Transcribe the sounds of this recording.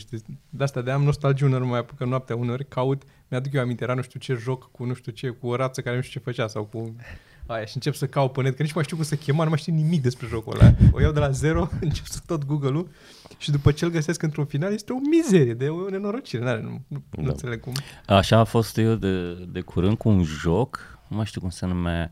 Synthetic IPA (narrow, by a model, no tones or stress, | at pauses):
ʃt̪id̪east̪ad̪eamno̞st̪ald͡ʒiuneɾmajapukənoap̚t̪eauneo̞rʲkaut̪ | mead̪ukjewamint̪ejeɾanuʃt̪iut͡ʃe̞ʒo̞kkunuʃt̪ut͡ʃe̞kuoɾat̪səkaɾeuʃt̪ut͡ʃe̞fət͡ʃasawku | ajaʃiɨnt͡ʃe̞psəkawpənet̪kənit͡ʃmajʃt̪iukumsəkʲe̞manumajʃt̪iwnimik̚d̪e̞spɾe̞ʒo̞kṵd̪a̰ojawd̪e̞laze̞ɾo̞ɨnt͡ʃe̞psət̪ot̪ɡuɡəlu | ʃid̪upət͡ʃeelɡəse̞skɨnt̪ɾunfinaljest̪eo̞mize̞ɾije̞d̪eojewne̞no̞ɾo̞t͡ʃiɾenaenṵnunt̪seleɡ̚kumaʃaːfo̞st̪jewd̪ed̪ekʰuɾɨnd̪̚kuːnʒoknumaʃt̪iukumsənuma